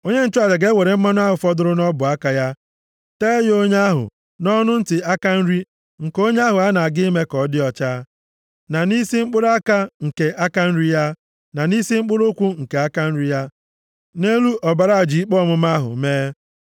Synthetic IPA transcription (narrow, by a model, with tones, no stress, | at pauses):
o˦ɲe˦n̩˦t͡ʃʊ˦a˨ɾe˨ɡe˦we˨ɾe˨m̩˦ma˦n˦a˦ɦʊ˨fɔ˦dʊ˦ɾʊ˦nɔ˦bʊ˨a˦ka˨ja˦ | te˦jo˦ɲe˦a˦ɦʊ̰˨ | nɔ˦nʊ˦n̩˦tɪ˨a˦ka˦n̩˦ɾi˦ | ŋ̩˨ko˦ɲe˦a˦ɦʊ˨a˦na˨a˨ɡɪ˦me˦kɔ˨˦dɪ˦ɔ˨t͡ʃaː˦ | na˨ni˦si˦ŋ͡m̩˦k͡pʊ˦ɾʊ˦a˦ka˦ŋ̩˨ke˨ʔa˦ka˦n̩˦ɾi˦ja˦ | na˨ni˦si˦ŋ͡m̩˦k͡pʊ˦ɾo˦kʷu˦ŋ̩˨ke˨a˦ka˦n̩˦ɾi˦ja˦ | ne˦lu˦ʔɔ˨ba˨ɾa˦a˨d͡ʒi˨i˦k͡pɔ˦mʊ˦m˦a˦ɦʊ̰˨meː˦